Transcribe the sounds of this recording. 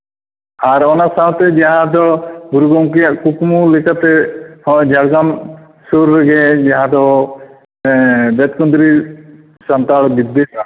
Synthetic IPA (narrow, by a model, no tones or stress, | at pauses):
aɾɔnasaɦw̃t̪ɛd͡ʒaɦãd̪ɔɡuɾuɡɔmk̬iakukmulikat̪ɛhɔ̃d͡ʒaɽɡam | suɾːɡɛd͡ʒaɦãd̪ɔ | b̪ɛt̪kɔnd̪ɾi | sant̪aɭbid̪ːesa